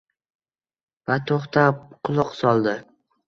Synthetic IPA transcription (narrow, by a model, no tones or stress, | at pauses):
b̥at̪ʰoχt̪ʰapqʰʊlˠʊqsɒlˠd̪ɪ